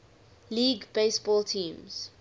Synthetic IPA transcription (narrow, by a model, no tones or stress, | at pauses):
liːɡbeɪsbɔːltʰĩːmz̥